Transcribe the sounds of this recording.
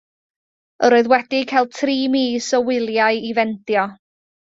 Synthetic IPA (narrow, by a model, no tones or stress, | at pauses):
əɾoɨðwɛdɪkʰalˠd̚tʰriːmiːsɔwɪlˠjaɨivɛntjɔ